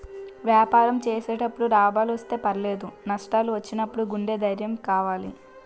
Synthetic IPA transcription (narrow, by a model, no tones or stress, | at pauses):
ʋjaːpaːɾɐmt͡ʃeːsɛːʈɐpːuɽuɾaːbaːluʋɐst̪e̞ːpɐɾle̞ːd̪unɐʂʈaːluʋɐt͡ʃːinɐpːuɽuɡuɳɖe̞ːd̪ʱɐɾjɐmkaːʋaːlḭ